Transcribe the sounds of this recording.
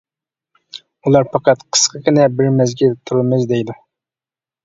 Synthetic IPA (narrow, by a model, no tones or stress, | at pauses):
ulˠɑɾpʰɑqɑt̪qʰə̥sqʰəkʲɪnɛbɪɾmɛzɡʲilt̪ʰuɾɨlˠmɛd͡ʒd̪ɛjd̪u